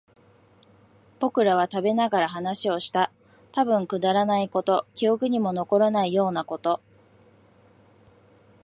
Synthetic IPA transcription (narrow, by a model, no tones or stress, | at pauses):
b̥o̞kɯ̟ɾaβ̞at̪abe̞naɡaɾaɦanaɕio̞ɕi̥t̪a | t̪abɯ̟̃ŋkɯ̟d̪aɾanaiko̞t̪o̞kʲio̞kɯ̟ɲ̟imo̞no̞ko̞ɾanaijo̞ːnako̞t̪o̞